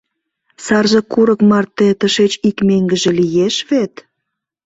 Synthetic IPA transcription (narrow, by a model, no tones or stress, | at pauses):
sɑrʒĕkuɾəkmɑrt̪ːet̪əʃet͡ɕikmeŋɡə̆ʒĕlijeʃβet̪